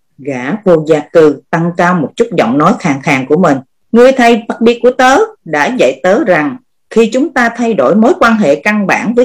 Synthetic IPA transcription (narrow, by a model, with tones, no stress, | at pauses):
ɣaː˧˥vo˨˩zaː˨˩kɨ˨˩t̪a˧ŋkaː˧wmo˨˩t̚t͡ɕu˦˥t̚zɔ̰˧˨wŋ͡mnɔ˨˦jxaː˨˩ŋxaː˨˩ŋku˧˩əmï˨˩ŋ̟ | ŋɨ˧əjt̪ʰə˧jfə˨˩t̚ɓi˧ku˧˩ət̪əː˨˦ɗa̰ː˧˥zə̰˧˨jt̪əː˨˦za˨˩ŋ | xi˧t͡ɕʊ˨˦ŋ͡mt̪aː˧t̪ʰa˧jɗo̰˧˩jmoː˨˦jkwaː˧nɦḛ˧˨ka˧nɓa̰ː˧˩nvəː˨˦